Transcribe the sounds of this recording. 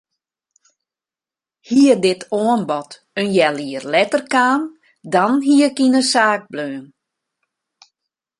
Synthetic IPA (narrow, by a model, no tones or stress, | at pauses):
hiərdɪtʰoənbɔt | ənjɛlˠiərlɛtərkaːn | dɔnɦiəkinəsaːk̚bløːn